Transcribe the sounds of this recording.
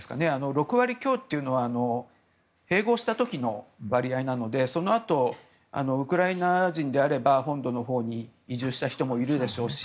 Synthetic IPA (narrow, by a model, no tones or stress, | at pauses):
sɨ̥ka̰ne̞ano̞ɾo̞kɯ̟βaɾʲikʲo̞ːt̪ːe̞iɯ̟no̞β̞aːno̞ | he̞ːɡo̞ːɕi̥t̪at̪o̞kʲino̞βaɾʲiainano̞d̪e̞so̞no̞at̪o̞ | a̰no̞ɯ̟kɯ̟ɾainaʑĩnd̪e̞aɾe̞baɦõ̞nd̪o̞no̞ɦo̞ːɲ̟iːʑɨːɕi̥t̪açi̥t̪o̞mo̞iɾɯ̟d̪e̞ɕo̞ːɕi̥